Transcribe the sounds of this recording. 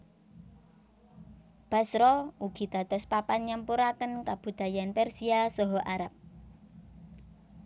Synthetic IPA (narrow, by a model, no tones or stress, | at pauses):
b̥a̤sɾɔuɡ̥i̤d̪̥ä̤t̪ɔspapanɲampuɾakənkab̥ṳd̪̥a̤janpɛrsiasɔɦɔʔaɾap̚